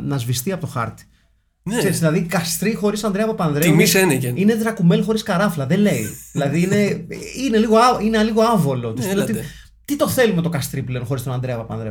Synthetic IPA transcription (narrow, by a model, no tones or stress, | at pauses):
nɐzvist̪iɐpo̞t̪oxɐ̰ɾt̪i̥ | kseɾizðilɐðikɐst̪ɾixo̞ɾisɐnd̪ɾeɐpɐpɐnðɾemisenecenine̞t͡sɾɐkume̞lxo̞ɾiskɐɾɐflɐðe̞le̞iðilɐðiine̞ine̞liɣo̞ɐineɐliɣo̞ɐvo̞lo̞t̪i̥sot̪i | t̪it̪o̞θe̞lume̞t̪o̞kɐst̪ɾiple̞onxo̞ɾist̪oɐnd̪ɾeɐpɐpɐ̰nðɾe